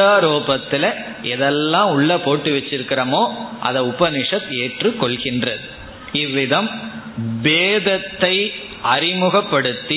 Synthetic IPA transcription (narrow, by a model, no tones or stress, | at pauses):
aːɾoːpɐt̪ːɪlɐ | ɛðɛlːãːʊɭːɐpoːʈːɯʋɛt͡ʃːɪɾɯkːɪɾɐmoːʔɐ̰ðɐʊpɐnɪʂɐt̪eːʈrɯkːɔɭɣɪndrɐðɯ | ɪʋːɪðɐm | beːðɐt̪ːɐɪ | ɐɾɪmʊɣɐpːɐɽɯt̪ːi